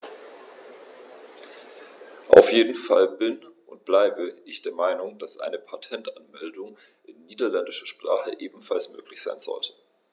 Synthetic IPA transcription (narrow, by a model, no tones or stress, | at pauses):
ʔa̰ʊfjeːdn̩falbɪnʔʊnt̚b̥laɪbəʔɪçd̥eːɐmaɪnʊŋd̥asʔa̰ɪnəpʰatʰɛntanmɛldʊŋ | ʔɪnːiːdɐlɛndɪʃɐʃpʁ̥a̰ːχəʔeːbm̩falsmø̰ːklɪçz̥aɪnz̥ɔ̰ltʰə̥